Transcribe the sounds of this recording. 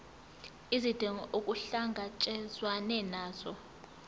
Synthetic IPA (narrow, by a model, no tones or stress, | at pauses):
izid̥ʱeŋʔokʼuɬaŋɡʱat͡ʃʼɛzwanɛnaːz̥ɔ